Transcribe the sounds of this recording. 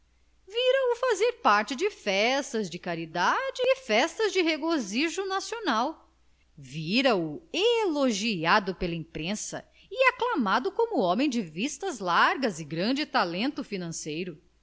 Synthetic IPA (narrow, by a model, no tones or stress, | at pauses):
viɾɐʊfazeɾpaɾt͡ʃɪd͡ʒɪfɛst̪ɐzd͡ʒɪkaɾid̪ad͡ʒɪːfɛst̪ɐzd͡ʒɪheɡoziʒʊnasionaw | viɾɐʊeloʒiad̪ʊpelɐĩpɾẽsɐ̰ | ɪaklamad̪ʊkõmʊɔ̃mẽj̃d͡ʒɪvist̪ɐzlaɾɡɐzɪɡɾɐ̃d͡ʒɪt̪alẽnt̪ʊfinɐ̃sejɾʊ